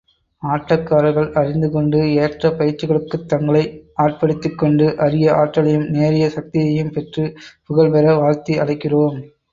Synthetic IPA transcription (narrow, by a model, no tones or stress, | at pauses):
aːʈːɐkːaːɾɐɣɐɭɐɾɪnd̪ɯkɔɳɖɯeːʈrɐpɐjɪɾt͡ʃːɪɣɐɭɯkːɯt̪ːɐŋɡɐɭɐɪʔaːʈ̚pɐɽɯt̪ːɯkːɔɳɖɯʔɐɾɪjɐʔaːʈːɐɭɐjɯmneːɾɪjɐsɐk̚t̪ɪjɐjɯmpɛʈrɯpʊɣɐɭpɛɾɐʋaːɻt̪iɐɭɐɪkːɪroːm